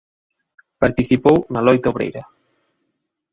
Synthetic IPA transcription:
paɾt̪iθipownalɔjt̪aoβɾḛjɾɐ

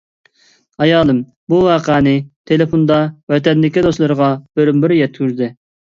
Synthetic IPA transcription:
ɑjɑːlˠɨm | buwɑːqʰæːnɪt̪ʰelefond̪ɑwɛt̪ɛnd̪ɪkʲid̪oslˠɨɾəʁɑb̥øɾymbɪɾjɛt̪̚kyɾd̪ɪ

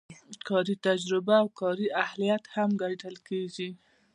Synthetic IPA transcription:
kʰɑɾit̪ad͡ʒɾɪbaːwkɑɾiahlijat̪hamɡaʈəlkeɡi

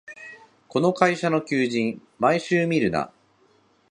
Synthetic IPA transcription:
ko̞no̞kaiɕano̞kʲɨːʑĩɴ | maiɕɨːmʲiɾɯ̟na̰

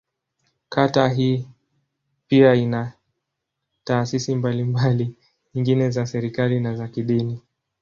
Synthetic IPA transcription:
kʰataɦiː | piaina | taːsisimbalimbali | ɲiŋɡinɛzasɛɾikalinazakiɗini

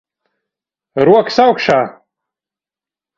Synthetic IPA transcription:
rwakʰsawkʰʂa

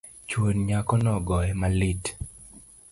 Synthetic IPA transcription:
t͡ʃwonɲakɔnɔɡɔjɛmalit

